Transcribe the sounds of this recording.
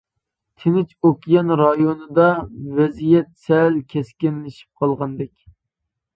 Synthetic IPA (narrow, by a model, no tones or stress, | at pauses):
t̪ʰɪnɪt͡ʃokʲjɑnɾɑjonɨd̪ɑvɛzijɛt̪sɛlkʲʰɛskʲɪnlɪʃi̥p̚qʰɑlˠʁɑnd̪ɛkʲ